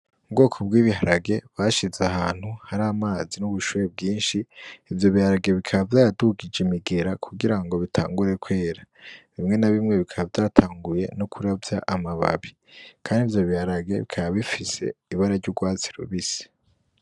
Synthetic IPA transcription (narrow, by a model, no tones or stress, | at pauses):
ubɡo̞ːkʰobɡiːβiɦaɾaɡe̞βaʃizeahaːn̥huhaɾaːmaːzinuβuʃuːɾeb̚ɡiːnʃiːvjo̞βihaɾaɡe̞βikʰaβavjaːjaduɡid͡ʒimiɡe̞ɾakʰuɡiɾaŋɡo̞βitʰa̰ːŋɡuɾe̞kwe̞ːɾaβimŋe̞naβimŋe̞βikʰaβavjaːtʰaːŋɡuje̞nokʰuɾavjaʔamaβa̰βi | kʰaːndivjo̞βihaɾaɡe̞βikʰaβaβifise̞̰iβaɾaɾɟuɡwaːt͡si̥ɾṵβisi̥